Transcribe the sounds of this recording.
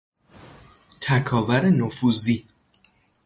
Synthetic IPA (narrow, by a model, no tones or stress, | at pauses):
t̪ʰækʰɒːvæɾenofuziː